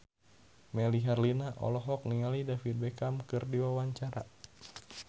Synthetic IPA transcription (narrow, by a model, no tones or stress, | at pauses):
mɛliɦarlinaʔɔ̰lɔɦɔk̚niŋalidafid̪̚bɛkamkɨrdiwawaɲt͡ʃaɾa̰